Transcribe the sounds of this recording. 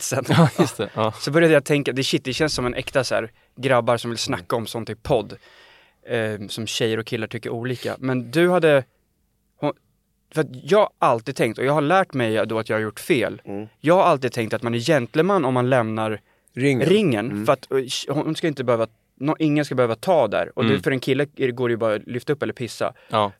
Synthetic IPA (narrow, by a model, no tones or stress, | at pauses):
t̪sənjst̪ɛsɔbœɾjad̪əjat̪ʰɛŋkad̪ɛɕɪt̪̚ːd̪ɛɕɛnssɔmɛnʔɛkt̪asæ̰ːɾ | ɡɾabːaɾsɔmvɪlsnakːaɔmsɔnt̪ɪpʰɔd̪ː | sɔmɕɛjːəɾɔkʰːɪlːaʈʰʏkːəɾuːliːka̰mɛnd̪ɵhad̪ːə | hʊ | fœɾat̪jɑːɡalt̪iːd̪̚t̪ʰɛŋkt̪ɔjɑːɡhaɭæːʈmɛjd̪ɔat̪jɑːhaɾjʊʈːfeːljɑːɡhaɾalt̪̬id̪̚t̪ʰɛŋkt̪at̪manæɾjɛnt̪ləmanːɔmːanlɛmnaɾ | ŋɾɪŋːənfœɾat̪hhʊnskaɪnt̪əbɛhøːva | nɔʔɪŋːənskabɛhøːvat̪ʰɑːd̪æ̰ɾɔd̪ɛfœɾɛnkʰɪlːəɡoːɾɛjɵbɑːɾalʏft̪aɵpːɛlːəɾpʰɪsːa̰